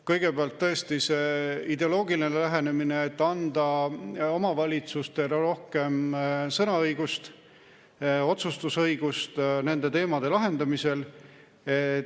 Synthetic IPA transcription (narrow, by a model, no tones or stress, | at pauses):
kɤjɡ̥e̞peɑlt̪ːɤe̞st̪ise̞id̪e̞o̞lo̞ːɡilinelæɦe̞ne̞mineːt̪ːɑnd̪̥ɑo̞mɑvɑlʲit̪sust̪e̞ɾɾo̞hke̞msɤnɑɤjɡust̪ | o̞t̪sust̪usɤjɡ̥ust̪ne̞nd̪̥e̞t̪e̞ːmɑd̪e̞lɑɦe̞nd̪ɑmise̞l | e